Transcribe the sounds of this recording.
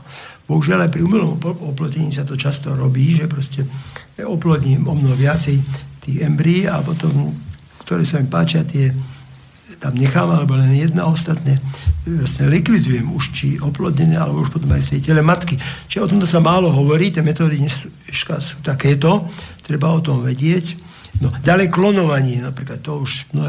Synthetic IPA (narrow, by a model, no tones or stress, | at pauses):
bɔɦuʒɪalajpɾiuːmɛlɔmɔplɔcɛɲiːsat̪ɔt͡ʃast̪ɔɾɔbiːʒɛpɾɔscɛɔplɔɟɲiːmɔmnɔɦɔʋɪat͡sɛjt̪iːɣɛmbɾiːa̰pɔt̪ɔm | kt̪ɔɾɛːsamipaːt͡ʃɪat̪ɪɛ | t̪amɲɛxaːmalɛbɔlɛnjɛd̪naɔst̪at̪ɲɛʋasɲɛlikʋid̪ujɛmuʃt͡ʃiɔplɔd̪ɲɛnɛːalɛbɔuʃpɔt̪ɔmajft̪ɛjcɛlɛmat̪kit͡ʃiʒɛɔt̪ɔmt̪ɔsamaːlɔɦɔʋɔɾiːt̪jɛmɛt̪ɔːd̪iɲɛsuɛʃkasuːt̪akɛːt̪ɔt̪ɾɛbaɔt̪ɔmʋɛɟɪɛc | nɔɟalɛjklɔnɔʋaɲɛnapɾiːklat̪ːɔuʃmnɔɦ